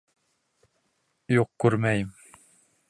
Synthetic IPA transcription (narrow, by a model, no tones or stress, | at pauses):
juqkʉɾmæjɘm